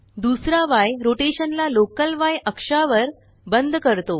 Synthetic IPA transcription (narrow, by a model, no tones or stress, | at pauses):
d̪usɾaʋajɾoʈeɕənlalokəlʋajʔəkʂaʋəɾ | bənd̪ʱkəɾt̪o